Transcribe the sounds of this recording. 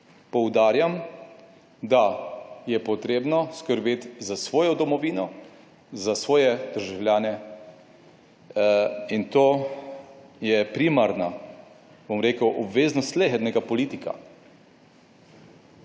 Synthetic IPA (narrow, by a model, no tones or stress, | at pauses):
pɔwd̪aːɾjam | d̪ajɛpɔt̪ɾeːbnɔskəɾbeːt̪zasʋɔːjɔd̪ɔmɔʋiːnɔ | zasʋɔːjɛd̪̥əɾʒawlʲjaːnɛ | int̪oː | jɛpɾimaɾna | bomɾeːkəwʔɔbʋeːznɔst̪leɦɛd̪nɛɡapɔliːt̪ika̰